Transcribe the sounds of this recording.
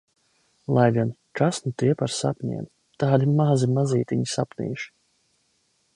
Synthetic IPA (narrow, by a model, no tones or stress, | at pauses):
lˠajɡinkasnut̪iɛpaɾsa̰pɲɛ̰n | t̪aːd̪imazimaziːt̪ʲiɲisapnḭːʃi̥